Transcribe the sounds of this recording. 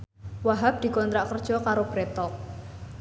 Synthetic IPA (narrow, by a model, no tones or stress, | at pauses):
waɦap̚d̥i̤kɔnt̪ɾaʔkərd̥ʒ̥ɔ̤kaɾob̥ɾet̪ɔk̚